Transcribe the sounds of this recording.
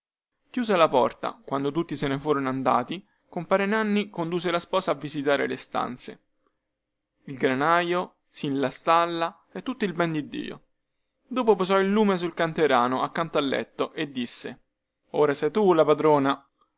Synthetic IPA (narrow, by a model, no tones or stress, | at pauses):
kjuːs̬elapɔrt̪a̰kwand̪ot̪ut̪ːisenefuːɾonand̪a̰ːt̪i | kompaːɾenanːikond̪uːs̬elaspɔːsaːvːizit̪aːɾḛlest̪a̰nt̪sḛ | ilɡɾanaːjo | sinlast̪alːa | ɛt̪ːut̪ːoilbɛnd̪id̪ːḭːo̰ | d̪oːpopozɔilːuːmes̬ulkant̪eɾaːnoʔakːant̪oalːɛ̰t̪ːoʔed̪ːisːe | oːɾasɛjt̪ulapad̪ɾoːna